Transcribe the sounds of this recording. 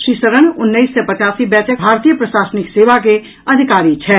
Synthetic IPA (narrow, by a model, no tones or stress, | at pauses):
ʃisəɾəɳ̃ʊnːəɪsːɛpət͡ʃaːsibɛːtək̚bʱaːɾt̪ijəpɾəʃaːsnɪkseːʋake | ɐd̪ʱikaːɾit͡ʃʰɛ